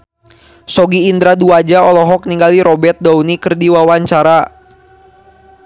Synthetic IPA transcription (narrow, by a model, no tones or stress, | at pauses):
sɔɡiːnd̪ɾaduad͡ʒaɔlɔɦɔk̚niŋɡaliɾɔbɛt̪̚daunikɨrdiwawaɲt͡ʃaɾa